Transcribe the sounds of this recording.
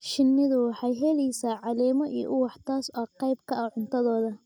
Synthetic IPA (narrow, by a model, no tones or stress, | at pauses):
ʃɪnːɪðʊwɑħɑjɦɛlɛjsaːʕɑlɛːmɔʔiʔʊwɑħt̪ʰaːsɔːqɑjb̚kʰɐɐʕʊnt̪ʰɐðɔːðɐ